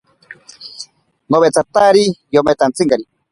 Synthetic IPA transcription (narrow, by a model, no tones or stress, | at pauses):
noβet͡sat̪aɾijomet̪ant͡siŋkaɾi